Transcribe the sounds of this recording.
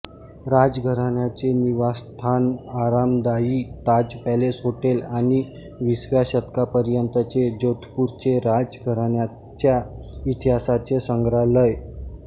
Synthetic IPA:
ɾad͡zɡʱəɾaɳjat͡seniʋast̪ʰanaɾamd̪aiːt̪ad͡zpɛlesɦoʈelañi | ʋisʋaɕət̪kapəɾjənt̪ət͡sed͡ʑot̪ʰpuɾt͡ɕeɾad͡zɡʱəɾaɳja | t͡ɕja | it̪iɦasat͡ɕesəŋɡɾaləj

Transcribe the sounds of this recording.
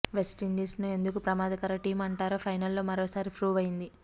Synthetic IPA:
ʋesʈiɳɖiːsnue̞nd̪ukupɾɐmaːd̪ɐkɐɾɐʈiːmɐɳʈaːɾoːpʰɐjnɐlːo̞ːmɐɾoːsaːɾipʰɾuːʋɐjind̪i

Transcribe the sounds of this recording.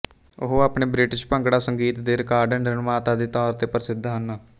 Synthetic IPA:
ʊɦoːaːpneːbɾɪʈɪʃpə̃ŋkɽaːsəŋɡiːt̪d̪eːɾɪkaːɾɖənɖɾənmaːt̪aːd̪iːt̪ɔːɾt̪eːpəɾɪsɪd̪ʱaɦənːaː

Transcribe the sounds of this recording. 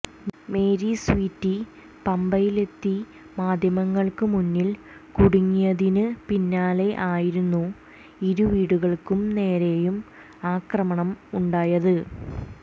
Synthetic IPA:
me̞ːɾiswiːtːi | pɐmbɐjile̞t̪ːi | maːd̪ʱjɐmɐŋːɐɭkɨmunːil | kuɽuŋːijɐðinɨpinːaːle̞ʔaːjiɾunːu | iɾuʋiːɽuɣɐɭkumne̞ːɾe̞jum | aːkrɐmɐɳɐmuɳɖaːjɐðɨ

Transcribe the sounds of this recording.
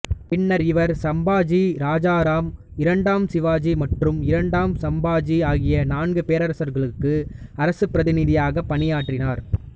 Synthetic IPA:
pɪɳːɐɾɪʋɐɾsɐmbaːd͡ʒiɾaːd͡ʒaːɾaːmɪɾɐɳɖaːmsɪʋaːd͡ʒimɐʈrɯmɪɾɐɳɖaːmsɐmbaːd͡ʒiaːɣɪjɐnaːnɡɯpeːɾɐɾɐsɐɾɣɐɭɯkːɯɐɾɐsɯpːɪɾɐðɪnɪðɪjaːɣɐpːɐnɪjaːʈrɪnaːɾ

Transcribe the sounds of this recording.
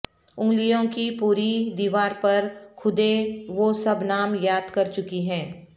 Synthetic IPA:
ʊ̃ŋɡlijõkipuːɾid̪iːʋaːɾpɐɾkʰʊd̪eʋosɐbnaːmjaːd̪kɐɾt͡ʃʊkiɦɛ̃ː

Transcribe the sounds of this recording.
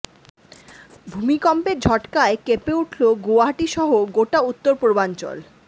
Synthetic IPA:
bʱumikɔmpeɾd͡ʑʱɔʈkaekepeuʈʰloɡoaɦaʈiʃɔɦoɡoʈaut̪ːoɾpobant͡ɕɔ̰l

